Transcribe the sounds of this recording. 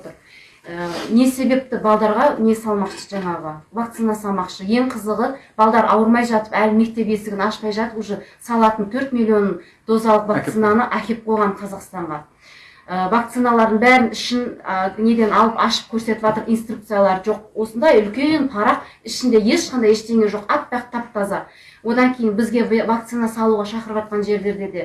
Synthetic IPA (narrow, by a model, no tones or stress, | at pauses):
t̪əɾ | əne̞se̞be̞p̚t̪ɪbɑlˠd̪ɑɾʁɑne̞sɑlˠmɑqʃə̥ʒɑɴɑʁəvak̚t̪sijnɑsɑlˠmɑqʃəje̞ɴqʰəzəʁəb̥ɑlˠd̪ɑɾɑwəɾmɑjʒɑt̪əpælɪme̞k̚t̪e̞pe̞sɪɡʲɪnɑʃpɑjʒɑt̪əɾuʒəsɑlˠɑt̪ənt̪ʰɵɾt̪milʲːio̞n | d̪̥o̞zɑlˠəqvakt̪ijnanəʔækʲʰe̞p̚qʰolʁɑɴqʰɑzɑqst̪ɑɴʁɑ | əvakt̪sɨnalˠɑɾd̪əɴbæɾɪnɪʃɪnne̞d̪e̞nɑlˠəpɑʃə̥p̚kʲʰɵɾse̞t̪ɪvɑt̪əɾijnst̪ruk̚t̪sɨjalˠɑɾʒo̞q̚wo̞sənd̪ɑjʏlkʲe̞npʰɑɾɑqɪʃɪnd̪e̞je̞ʃqɑnd̪ɑjeʃt̪e̞ŋʲe̞ʒo̞qɑt̪̚bɾɑqt̪ʰːɑpt̪ɑzɑ | wo̞d̪ɑŋkʲʰejɪnbɪzɡʲe̞vak̚t̪sɨnɑsɑlˠuʁɑʃɑqəɾəβɑt̪̚qɑnʒe̞ɾle̞ɾd̪e̞ɾd̪e̞